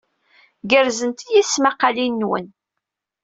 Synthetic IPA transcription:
ɡəɾzənt̪ijiθsmaqːɑlinːwə̰n

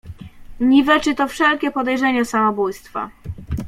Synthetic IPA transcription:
ɲivɛt͡ʂɘt̪ɔfʂɛlkʲɛpɔd̪ɛjʐɛɲasamɔbujst̪fa̰

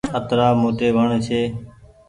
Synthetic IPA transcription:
ət̪ɾaːmoːʈeːʋʱəɳt͡ʃʰeː

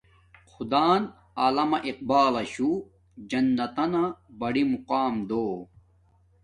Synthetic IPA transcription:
xud̪aːn | aːlɐmɐʔiq̚baːlɐɕu | d͡ʑɐnːɐt̪ɐnɐbɐɽimuqaːmd̪oː

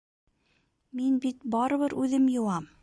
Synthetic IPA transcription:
minbit̪̚bɑɾɤ̆βɤɾʔʉðɘmjŏwɑm

